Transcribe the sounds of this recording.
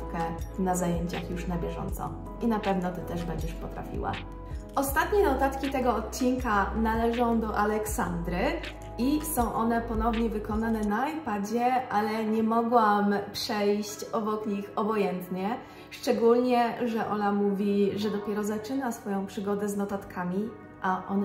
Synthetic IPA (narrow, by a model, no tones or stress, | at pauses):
kɛnazajɛɲt͡ɕa̰xjuʂnabʲjɛʐɔ̰nt̪sɔ̰ | inapɛvnɔt̪ɘt̪ɛʐbɛɲd͡ʑɛʂpɔt̪ɾa̰fʲḭwa̰ | ʔɔst̪at̪ɲɛnɔt̪at̪kʲit̪ɛɡɔːt̪̚t͡ɕinkanalɛʐɔ̃w̃d̪ɔʔalɛksa̰nd̪ɾɘ | isɔ̃w̃ʔɔnɛpɔnɔvɲɛvɘkɔnanɛnaajpad͡ʑɛʔalɛɲɛmɔɡwampʂɛjɕt͡ɕɔbɔkɲixɔbɔjɛnt̪ɲɛ | ʂt͡ʂɛɡulɲɛʐɛʔɔnamuvʲiʐɛd̪ɔpʲjɛɾɔzat͡ʂɘnasfɔjɔ̃w̃pʂɘɡɔd̪ɛznɔt̪at̪kʰamʲi | ʔaʔɔn